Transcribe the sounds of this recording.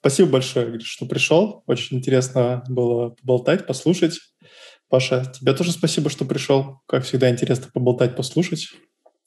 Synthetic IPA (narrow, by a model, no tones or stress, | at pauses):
spɐsʲibəbɐlʲʂo̞jəɡʲʂt̪o̞pɾʲɪʂolˠot͡ɕɪnʲɪnʲtʲɪɾʲe̞snəbɨlˠəpəbɐlˠt̪atʲpɐslˠuʂətʲ | paʂətʲɪbʲat̪o̞ʐɨspɐsʲibəʂt̪o̞pɾʲɪʂolˠkakfsʲɪɡd̪aɪnʲtʲɪɾʲe̞snəpəbɐlˠt̪atʲpɐslˠuʂətʲ